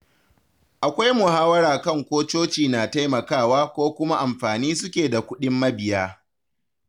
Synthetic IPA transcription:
ʔa˨kʷa˦jmʊ˨haː˦wɐ˦ɽɾaː˨kɐ˦˨ŋkʷoː˦t͡ʃoː˦t͡ʃiː˨naː˨ta˦jmɐ˨kaː˦˨waː˦kʷoː˦kʷʊ˦ma˦ʔa˨mɸaː˨niː˦s̬ʊ˦kʲeː˨da˨kʷʊ˦ɗɪ˦mːɐ˦bɪ˨jaː˦

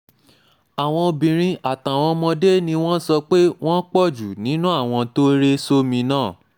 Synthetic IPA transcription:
a˨w̃ɔ̃˧o˧bĩ˨ɾ̃ĩ˧ʔa˨ta˨w̃ɔ̃˧mɔ̃˧de˦nĩ˧w̃ɔ̃˦n̩˦sɔ˧k͡pe˦w̃ɔ̃˦k͡pɔ˦˨d͡ʒu˨nĩ˨˦nũ˦a˦˨w̃ɔ̃˧to˦ɾe˦so˦mĩ˧nãː˦˨

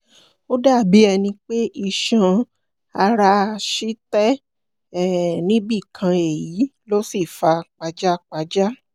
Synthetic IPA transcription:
o˦da˦˨bi˨˦ɛ˧nĩ˧k͡pe˦ʔi˧ʃã˧ | a˧ɾa˧ʃi˦tɛ˦ | ɛ˦˨nĩ˦bi˦˨kʰã˧e˨ji˨˦lo˦si˦˨fa˧k͡pa˧d͡ʒa˦k͡pa˧d͡ʒa˦

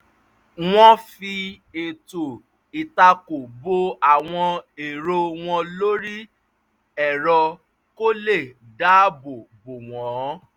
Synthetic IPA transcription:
w̃ɔ̃˦fi˧ | e˨to˨ | i˨ta˧ko˨bo˧a˨w̃ɔ̃˧e˨ɾo˧w̃ɔ̃˧lo˦ɾi˦ | ɛ˦˨ɾɔ˧ | ko˦le˦˨ | da˦bo˨bo˨w̃ɔ̃˨˦

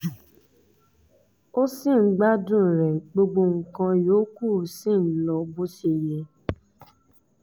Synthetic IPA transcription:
o˦sĩ˦˨ŋ̩˦ɡ͡ba˦dũ˦˨ɾɛ˨ɡ͡bo˧ɡ͡bo˧ŋ̩˨kã˧joː˨˦ku˦˨sĩ˦˨n̩˦lɔ˧bo˦ʃe˧˨jɛ˧

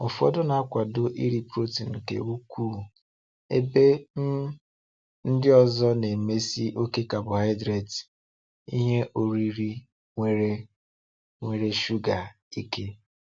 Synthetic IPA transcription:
ɔ˨fu˨˦ɔ̰˦dʊ˦na˨a˦kʷa˨dʊ˦ʔi˦ɾi˨pɾo˦ti˨ŋ̩˨kḛ˨u˦kʷuː˦˨ | ḛ˦be˦ | n̩˦dɪ˦ɔ˨zɔ˦ne˨me˦si˦ʔo˦ke˦ka˨bʊ˨ɦa˦ɪ˦dɾe˨t | ḭ˦ɦe˦ʔo˨ɾi˦ɾi˦ | ŋʷe˦ɾe˦ | ŋʷe˨ɾe˦ʃu˦ɡa˨ | i˦ke˦

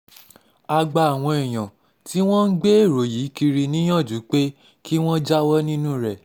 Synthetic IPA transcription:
a˧ɡ͡ba˧a˨w̃ɔ̃˧e˨j̃ã˨ | ti˦w̃ɔ̃˦n̩˦ɡ͡be˦e˦˨ɾo˨jiː˨˦ki˧ɾi˧nĩ˦j̃ɔ̃˦˨d͡ʒu˨˦k͡pe˦ | ki˦w̃ɔ̃˦d͡ʒa˦wɔ˦nĩ˦nũ˦ɾɛ˦˨

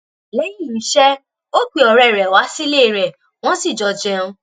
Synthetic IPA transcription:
le˨˦ji˦˨˦ʃɛ˦ | o˦k͡pi˨ɔ˨ɾɛ˨ɾɛ˨wa˨˦si˦leː˦˨ɾɛ˨ | w̃ɔ̃˦si˦˨d͡ʒɔ˨d͡ʒɛ̃˧ũ˧

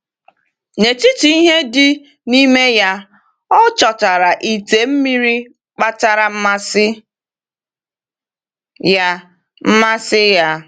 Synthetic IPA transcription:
ne˨ti˦ti˨i˦ɦe˦dɪ˦ | ni˦me˦ja˦ | ɔ˦t͡ʃɔ˨ta˨ɾa˨ʔi˨te˨m̩˦mi˦ɾi˦ | k͡pa˦ta˦ɾa˨m̩˦ma˦sɪ˦ | ja˦ | m̩˦ma˦sɪ˦ja˦

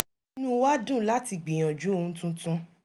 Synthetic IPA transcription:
nũ˦wa˦dũ˦˨la˦ti˧˨ɡ͡bĩ˨j̃ɔ̃˨d͡ʒu˨˦o˦˧ũ˨˦tũ˦tũ˦

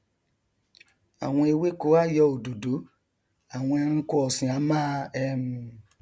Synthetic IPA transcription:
a̰˨w̃ɔ̃˧e˧we˦ko˨˦a˦˨jɔ˧o˨do˨do˨˦ | a˨w̃ɔ̃˧ɛ˧ɾ̃ĩ˧ko˦ɔ˨sĩ˨a˨˦mãː˦ɛ˦m˨

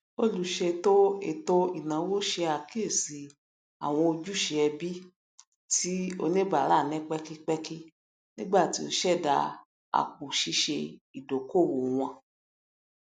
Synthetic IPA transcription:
o˦lu˨˧ʃe˧to˦ḛ˦˨to˦i˨nã˨˦wo˦ʃe˧a˨ke˦˨si˨ | a̰˨w̃ɔ̃˧o˧d͡ʒu˦ʃe˧ɛ˧bi˦ | tʰi˦o̰˧nẽ˦ba˨ɾa˦˨nɛ̃˦k͡pɛ˦ki˦k͡pɛ˦ki˦ | nĩ˦ɡ͡ba˦˨ti˦o˧ʃɛ˦˨da˧ | a̰˨k̚u˨ʃi˧˦ʃe˧i˨do˨ko˦˨wo˨w̃ɔ̃˧

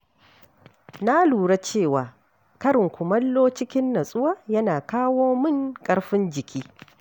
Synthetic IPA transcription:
na˦luː˨ɽa˦t͡ʃeː˦˨waː˨ | kɐ˦ɾɪ˨ŋkʷʊ˨mɐ˦lːoː˦t͡ʃɪ˦kʲɪ˦nːɐ˨sʼʊ˦wa˦jɐ˦naː˨kaː˦woː˦mɪ˦˨ŋkʼɐ˦ɽɸɪ˦nd͡ʒɪ˨kʲʰiː˦

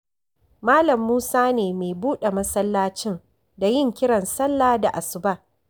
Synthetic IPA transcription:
maː˦lɐ˨mːuː˦saː˦neː˨meː˨buː˦ɗe˨mɐ˦sɐ˦lːaː˦t͡ʃɪ˦n | da˨jɪ˦˨ŋkʲɪ˦ɽɐ˨nsɐ˦lːaː˦da˨ʔa˨sʊ˨ba˦˨ʔ

